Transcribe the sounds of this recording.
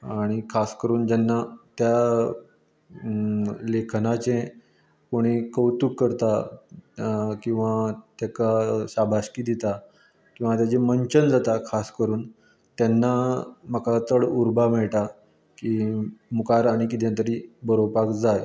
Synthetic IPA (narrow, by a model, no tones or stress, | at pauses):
aɽ̃ikʰaskəɾuːnd͡ʑanːat̪ja | lekʰnat͡ɕẽ | koɽ̃ikəwt̪ukːəɾt̪a | kĩw̃ʋat̪jakaɕabʱaɕkiːd̪it̪a | kĩw̃ʋat̪jat͡ɕeməɲt͡ɕənd͡zat̪akʰaskəɾuːn | t̪janːamakat̪əɭuɾbamɛɭʈa | kimukaɾaɽ̃ik̬it̪jãnt̪̬əɾiːbəɾopakd͡zaj